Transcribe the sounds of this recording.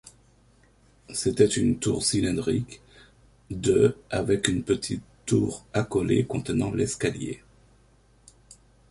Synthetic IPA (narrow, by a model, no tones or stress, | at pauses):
set̪ɛt̪ynt̪uʁsilɛ̃d̪ʁik | d̪øavɛkynpət̪ʰit̪ːuʁakɔlḛkɔ̃t̪ənɑ̃lɛskaljḛ